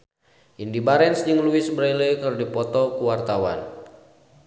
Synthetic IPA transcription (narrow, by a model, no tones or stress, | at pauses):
ʔindibaɾɛnsd͡ʒɨŋluisbɾajlekɨrdipɔt̪ɔkuwart̪awa̰n